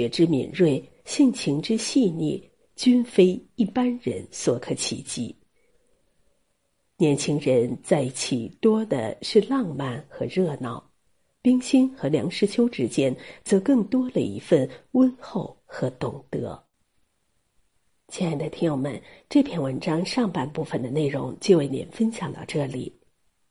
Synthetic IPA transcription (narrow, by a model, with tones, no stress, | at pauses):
ɛ˧˥ʈ͡ʂɻ̩˥mḭ˨˩nɻwe˥˩ɪ | ɕi˥˩ŋt͡ɕʰi˧˥ŋʈ͡ʂɻ̩˥ɕi˥˧nɛ̰˥˩ | t͡ɕy˥nfe˥ɪi˥˩pa˥nɻə̰˧˥nswɔ˧˥kʰɤ˧˥t͡ɕʰḭ˨˩t͡ɕḭ˧˥ | njɛ˧˥nt͡ɕʰi˥ŋɻə˧˥nt͡sa˥˧ɪt͡ɕʰi˨˩t̪wɔ˥d̪ə̰˨ʂɻ̩˥˧lɑ˥˧ŋma˥˩nxɤ˧˥ɻɤ˥˧nɑ˥˩ʊ | pi˥ŋɕi˥nxɤ˧˥ljɑ̰˧˥ŋʂɻ̩˥˩t͡ɕʰjo˥ʊʈ͡ʂɻ̩˥t͡ɕjɛ˥nt͡sɤ˧˥kɤ˥˩ŋt̪wɔ˥lə̰˨ḭ˧˥fə˥˩nwə˥nxo˥˩ʊxɤ˧˥t̪ʊ˨˩ŋt̪ɤ̰˧˥ | t͡ɕɛ˥˩na˧˩ɪd̪ə˧˩t̪ʰi˥ŋjʊ˧˩ŋmə̰˧˥nʈ͡ʂɤ˥˧pʰjɛ˥˩nwə˧˥nʈ͡ʂɑ˥ŋʂɑ˥˧ŋpa˥˧npu˥˩fə˨˩nd̪ə˩ne˥˩ɪɻʊ̰˧˥ŋt͡ɕjo˥˧ʊwe˥˩ɪnḭ˧˥˦nfə˥nɕjɑ˨˩ŋt̪ɑ̰˥˧ʊʈ͡ʂɤ˥˩lḭ˨˩˦